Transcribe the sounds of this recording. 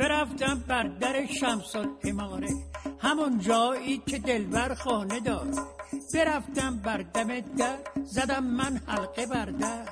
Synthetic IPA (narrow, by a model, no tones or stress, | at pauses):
b̥eɾæft̪æmbæɾd̪æɾeʃæmsod̪emɒːɾehæmond͡ʒɒːiːcʰed̪elvæɾxɒːne̞d̪ɒːdbe̞ɾæft̪æmbæɾd̪æmed̪æɾzæd̪æmːænhælqebæɾd̪æɾ